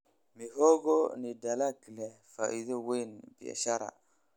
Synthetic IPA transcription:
miɦoɡonidalaɡilɛ | faidowenbia̰ʃaɾa̰

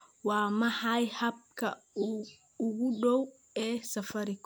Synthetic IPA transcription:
wɑːmɐħɑjhɐb̚kʰɐ | ʊɣʊɖɔw | ɛːsɐfɐɾɪkʰ

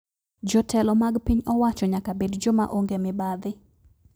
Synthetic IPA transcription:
d͡ʒɔtʰɛlɔmaɡpiɲɔwat͡ʃɔɲakabedd͡ʒɔma̰ʔoŋɡemɪbaðɪ

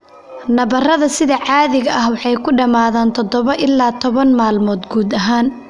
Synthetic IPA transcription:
nɐβɐrɐðɐsɪðɐʕɑːðɪɣɐʔɐhwɑħɑjkʰʊɖɐmaːðaːnt̪ʰɔd̪ɔβɐʔɪlːaːt̪ʰɔβɐnmaːlmɔːd̪ɡuːd̪ɐɦaːn

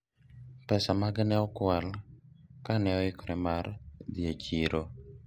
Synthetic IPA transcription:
pɛsamaɡnɛɔkwal | kanɛɔɪkɾɛmard̪iet͡ʃiɾʔo

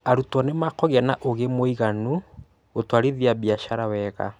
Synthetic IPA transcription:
aɾutwɔnemakɔɣeanaʔoɣemoiɣanu | otwaɾiðiabiaʃaɾawɛɣa̰

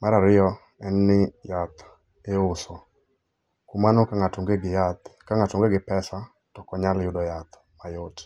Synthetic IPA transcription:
maɾaɾɪɔ | ɛnːɪjat̪ | eʊsɔ | kumanokaŋatoŋɡeɡɪat̪kaŋatʊŋɡeɡɪpɛsa | tɔkɔɲaljʊdɔjat̪ | majot

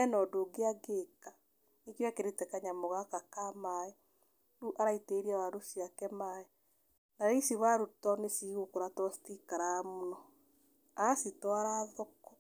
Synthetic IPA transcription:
ɛnɔdoɡeaɡeka | nikjwakeɾetɛkaɲamoɣakakamaɛ | ɾuʔaɾaiteɾiawadosjakɛmaɛ | naɾeisiβaɾutɔnesiɣokoɾatɔstikaɾamunɔ | asitɔaɾaðɔkɔ

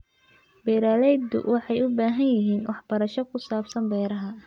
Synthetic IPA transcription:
bɛːɾaːlɛjd̪ʊ̰wʔɑħɑjʊbaːɦɐnjɪɦiːnwʔɑħb̥ɐɾɐʃɔkʰʊsaːbsɐmbɛːɾɐɦɐ

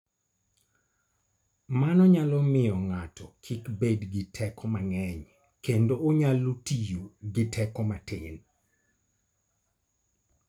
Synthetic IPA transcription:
manɔɲalɔmɪjɔŋatʰɔkʰikbedɡɪtʰɛkʰɔmaŋɛɲ | kendooɲalotijoɡɪtʰɛkɔmatɪn

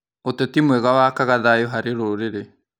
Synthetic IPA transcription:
otɛtimwɛɣawakaɣaðajoɦaɾeɾoɾeɾe

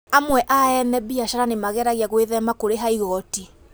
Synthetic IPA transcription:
amwɛʔaɛnɛbiaʃaɾanemaɣɛɾaɣjaɣweðɛmakoɾeɦaiɣɔti

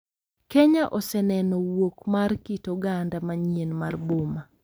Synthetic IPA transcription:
keɲaʔɔsɛnɛnɔwokmarkitoɡandamaɲienmarboma

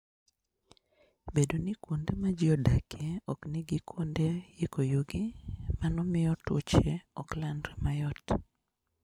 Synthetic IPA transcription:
bedonikwondemad͡ʒɪɔdakʰeɔkniɡikwondejekojoɡimanɔmɪjɔtwo̰t͡ʃeɔklandɾemajɔt

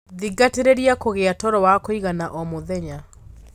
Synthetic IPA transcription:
ðiɡateɾeɾiakoɣeatɔɾɔwakoiɣanaʔɔmoðɛɲa

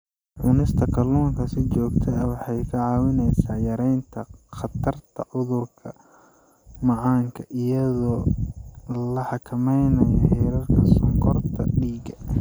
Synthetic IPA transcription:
ʕʊnɪst̪ʰɐkʰɐluːŋkʰɐsɪt͡ʃɔːɡt̪ʰɐɐwɑħɑjkʰɐʕɑːwɪnɛjsaːjɐɾɛjnt̪ʰɐqɑt̪ʰɐrt̪ʰɐʕʊðʊrkʰɐ | mɑʕɑːŋkʰɐʔɪjɐðɔː | lɐħɑkʰɐmɛjnɐjɐhɪɾɐrkʰɐsʊŋkʰɔrt̪ʰɐ̰ɖiːɡɐ

